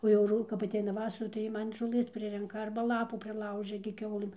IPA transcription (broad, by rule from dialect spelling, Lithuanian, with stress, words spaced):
oː jɛʊ ˈrʊ kɐp ɐtʲˈɛɪnɐ ˈʋɑːsɐrɐ tɐɪ ˈjiɛ ˈmɐn ʒoːˈlˠɘs ˈpʲrʲɪrʲɛŋkɐ ˈɐrbɐ ˈlˠɑːpuː pʲrʲɪˈlˠɐʊʒʲɛ ɡʲɪ ˈkʲɛʊlˠɘm